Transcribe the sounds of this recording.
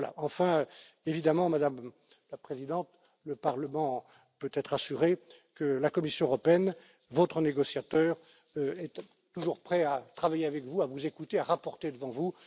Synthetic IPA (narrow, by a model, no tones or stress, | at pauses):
la̰ɑ̃fɛ̃ | evid̪amɑ̃mad̪am | lapχezid̪ɑ̃t̪ | ləpaʁləmɑ̃ | pøt̪ɛt̪χasyʁekəlakɔmisjɔ̃øʁɔpeɛn | vɔt̪χəneɡɔsjat̪œːʁ | øɛt̪ | t̪uʒuʁpχɛat̪χavajeavɛkvuavuzekut̪eaʁapɔʁt̪ed̪əvɑ̃vu